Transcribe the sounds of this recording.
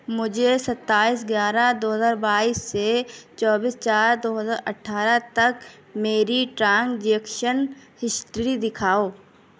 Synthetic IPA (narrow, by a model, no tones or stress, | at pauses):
mʊd͡ʒʱesɐt̪ːaːiːs̬ɡjaːɾad̪oːɦəzaːɾbaːiːsːet͡ʃɔːbiːst͡ʃaːɾd̪oːɦəzaːɾɐʈʰːaːɾat̪ɐk | meːɾiʈɾãːŋɡd͡ʒeːkʃənhɪsʈɾid̪ɪkʰaːoː